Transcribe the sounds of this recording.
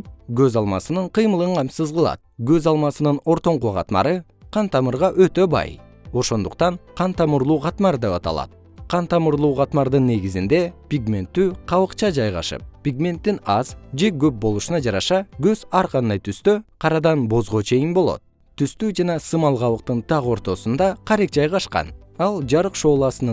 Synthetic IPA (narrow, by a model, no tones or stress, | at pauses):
ɡø̞zɑlˠmɑsɯnɯɴqʰɯjmɯlˠɯɴqʰɑmsɯzʁɯlˠɑ̰t̪̚ɡø̞zɑlˠmɑsɯnɯno̞ɾt̪o̞ɴqoʁɑ̰t̪mɑ̰ɾɯ | qʰɑnt̪ɑmɯɾʁɑʔø̞t̪ø̞bɑ̰j | o̞ʃo̞nd̪uqt̪ɑɴqʰɑnt̪ɑmuɾlˠuːqɑt̪mɑɾd̪e̞pɑt̪ɑ̰lˠɑ̰t̪̚ | qʰɑnt̪ɑmɯɾlˠuːʁɑt̪mɑɾd̪ɯnːe̞ɡizind̪e̞pʲiɡmʲe̞nt̪ːyːqʰɑβɯqt͡ʃɑd͡ʒɑjʁɑ̰ʃɯ̰p̚pʲiɡmʲe̞nt̪ːinɑzd͡ʒe̞ɡø̞p̚bo̞lˠuʃunɑd͡ʒɑɾɑʃɑɡøzɑɾqʰɑnd̪ɑjt̪ʰyst̪øqʰɑɾɑd̪ɑnbo̞zʁo̞t͡ʃʰe̞jinbo̞lˠo̞̰t̪̚ | t̪ːyst̪yːd͡ʒɑnɑsɯmɑlˠʁɑβɯq̚t̪ɯnt̪ʰɑʁo̞ɾt̪o̞sund̪ɑqʰɑɾek̚d͡ʒɑjʁɑʃqɑ̰nɑlˠd͡ʒɑɾɯqʃo̞ːlˠɑsɯn